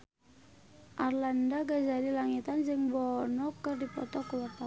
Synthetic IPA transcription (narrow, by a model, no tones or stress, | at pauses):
ʔarlandaɡad͡ʒadilaŋit̪and͡ʒəŋbɔnɔkərdipɾɔ̰t̪ɔkəwat̪a